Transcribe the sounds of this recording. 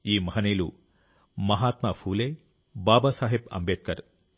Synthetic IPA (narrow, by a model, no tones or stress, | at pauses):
iːmɐɦɐnejlu | mɐɦaːt̪mapʰuːleː | baːbasaːɦibɐ̰mbeːt̪̚kɐ̰ɾ